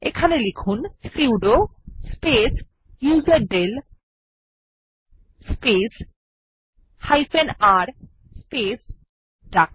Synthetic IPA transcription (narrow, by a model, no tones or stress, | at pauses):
ḛkʰanelikʰunsiwɖospes | juzeɖel | spes | hajfenaɾ | spes | ɖak